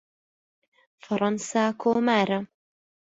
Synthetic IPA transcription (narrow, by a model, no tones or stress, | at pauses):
fɑɾˤɑnsaːkʰoːmaːɾa